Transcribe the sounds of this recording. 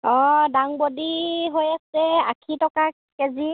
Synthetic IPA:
ɔdaŋbodiɦojasɛakʰitɔka | kɛzi

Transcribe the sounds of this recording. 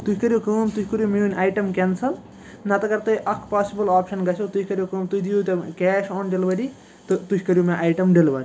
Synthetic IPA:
t̪ukɐɾjukɐːmt̪uhʰʲkɐɾjumiunʲaːjʈɐmkensɐl | nɐt̪ɐɡɐɾt̪eʔɐkʰpaːsibɐlaːpʃɐnɡɐsʰot̪uhʰʲkɐɾjokəːmt̪ud̪ijut̪ɐkeːʃoːnɖelʋɐɾi | t̪ɨt̪uhʰʲkɐɾjumeʔaːjʈɐmɖilʋɐɾ

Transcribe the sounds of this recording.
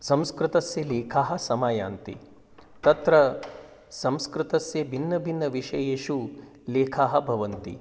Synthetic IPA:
sɐ̃mskɾɪt̪ɐsjɐleːkʰaːɦɐ̆sɐmaːja̰ːnt̪ḭ | t̪ɐt̪ɾɐ | sɐ̃mskɾɪt̪ɐsjɐbʱinːɐbʱinːɐʋiʂɐjeʃu | leːkʰaːɦɐ̆bʱɐʋɐnt̪ḭ

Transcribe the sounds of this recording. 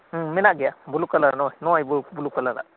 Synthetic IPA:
minaɡijabulukalaa̰nɔjnɔjbubulukalala̰

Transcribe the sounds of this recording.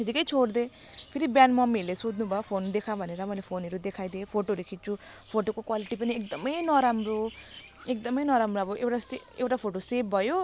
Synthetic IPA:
ɦid͡zikʌjt͡sʰoɽd̪e | pʰeɾibjanmʌmilesod̪nubʱʌjopʰond̪ekʰabʱʌneɾʌmʌjlepʰonɦʌɾud̪ekʰajd̪epʰoʈoɾukʰit̪̚t͡sʰu | pʰoʈokokwaliʈipʌniek̚d̪ʌmʌjnʌɾamro | ek̚d̪ʌmʌjnʌɾamroʌbʌʔewʈas | ewʈapʰoʈosebbʱʌjo

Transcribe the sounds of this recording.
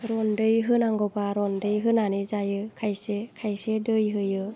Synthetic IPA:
ɾɔndɯjɦɯnaŋɡɔbaɾɔndɯjɦɯnanizajɯkʰajsekʰajsedɯjɦɯjɯ

